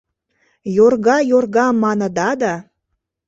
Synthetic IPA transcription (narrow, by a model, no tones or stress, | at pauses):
jorɣɑjorɣɑmɑnə̆d̪ɑd̪ɑ